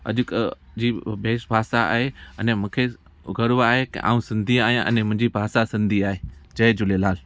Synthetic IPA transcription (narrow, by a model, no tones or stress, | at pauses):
ɐ̰ʄʊk | d͡ʑiːbʱeːsbʱaːsaa̰ːɦeɐnẽmũːkʰe | ɡʱɐɽʋaːɦekḭʔa̰ːũsɪ̃nd̪ʱiaːɦijãʔɐ̰nɛ̃mʊ̃ɦɪ̃ɲd͡ʑibʱaːsasɪ̃nd̪ʱiaːɦeːd͡ʑɐed͡ʑʊlelaːl